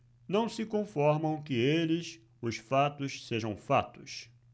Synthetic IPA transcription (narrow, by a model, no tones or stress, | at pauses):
nɐ̃w̃sɪkõfɔɾmɐ̃w̃kɪelɪs | ʊsfat̪ʊʃseʒɐ̃w̃fa̰t̪ʊs